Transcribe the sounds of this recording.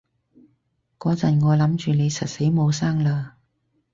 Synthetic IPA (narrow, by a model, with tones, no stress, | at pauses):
kɔː˨˥t͡sɐ˨˩nŋɔː˨˧lɐ˨˥mt͡ʃyː˨ne˨˧jsɐ˨t̚se˨˥jmo˨˧wsaː˥ŋlaː˧